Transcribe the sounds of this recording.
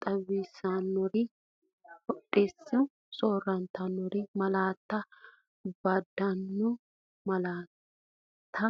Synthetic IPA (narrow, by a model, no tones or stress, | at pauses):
t̪ʼɐβːiːsanːɔɾɪ | hɔɗːeːsːɪ | sʼo̞ːrːɐnt̪ːɐnːɔɾɪmɐlaːt̪ːɐ | bɐd̪ːɐnːɔ | mɐlaː | t̪ʰːɐ